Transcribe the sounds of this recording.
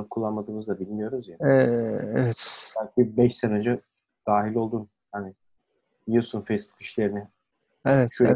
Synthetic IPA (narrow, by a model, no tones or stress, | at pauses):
kʰulˠːanmad̪ɯːmɯzd̪abilʲmijo̞ɾuzjaɛevɛt̪b̥ælʲcibɛʃsenød͡ʒɛ | d̪̥aːɦilʲo̞lˠd̪un | hanɪ | jɯsunfejsbu̥ki̥ʃlʲe̞ɾinɪ | evɛt̪ʃøj